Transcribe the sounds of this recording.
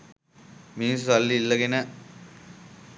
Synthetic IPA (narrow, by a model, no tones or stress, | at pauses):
miːsʋɐlːiːlːɐɡenə